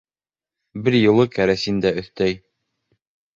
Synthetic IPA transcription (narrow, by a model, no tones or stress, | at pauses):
bɘɾjɤ̆lˠɤkæɾæsind̪æɵ̆θt̪æj